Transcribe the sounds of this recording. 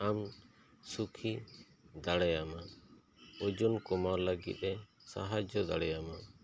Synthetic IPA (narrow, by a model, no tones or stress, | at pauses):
am | sukʰi | d̪aɽɛjama | od͡ʒunkɔmaɾləɡḭt̪̚ɾɛsa̰ɦad͡ʒɔd̪a̰ɽɛjama